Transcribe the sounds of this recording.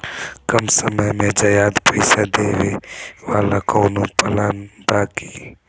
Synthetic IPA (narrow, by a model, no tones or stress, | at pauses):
kəmsəməjmed͡ʒəjaːd̪pəɪsad̪eʋeʋaːlakəʊnopəlanbaːki̥